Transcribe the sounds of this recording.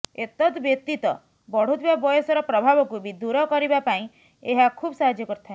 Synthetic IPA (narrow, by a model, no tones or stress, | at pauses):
et̪ɔt̪bjet̪it̪ɔ | bɔɽ̤ut̪ibabɔjɔsɔɾɔpɾɔbʱabɔkubʱid̪uɾɔkɔɾibapaĩ | eɦakʰuːbsaɦad͡ʒjɔkɔɾut̪ʰaɦe